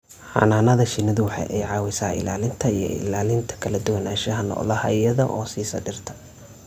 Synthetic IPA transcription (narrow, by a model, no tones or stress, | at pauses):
ħɑ̰naːnɐðɐʃɪnːɐðʊwɑħɑ̰jʔɛ̰jʕɑːwɪsaːɪ̰laːlɪnt̪ʰɐijɔ̰ɪ̰laːlɪnt̪ʰɐ̥kʰɐlɐd̪ʊwɐnaːʃɐɦɐnɔ̰ːlɐhɐ̰ijɐðɐʔɔːsiːsɐ̰ɖɪrt̪ʰɐ̥